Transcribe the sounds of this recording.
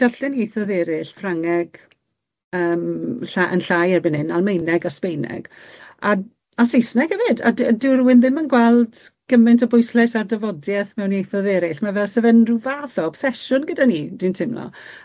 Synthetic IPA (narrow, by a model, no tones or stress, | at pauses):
d̥arɬɛniejθɔðɛɾɪɬfraŋɛɡ̥ | əːmɬaʔə̰nɬajɛrbɪnhɪnalˠmejnɛɡaspejnɛ̰ɡ̥ | a | asejsnɛɡ̥əvɪda̰ddɪrwɪnðɪmənɡwɛlˠdɡ̥əmɨntʰɔbʊjslɛsardəvɔdjɛθmɛwniejθɔðɛɾɪɬmavɛlˠsɛvɛnruvaðɔɔb̥sɛʃʊnɡədanid̥intʰɪmlɔ̰